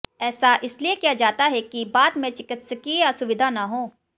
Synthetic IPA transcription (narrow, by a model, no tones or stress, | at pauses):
ɛːsaʔɪsliekijad͡ʒaːt̪aɦɛkibaːt̪mẽt͡ʃɪkɪt̪sekiasʊʋɪd̪ʱanaɦõː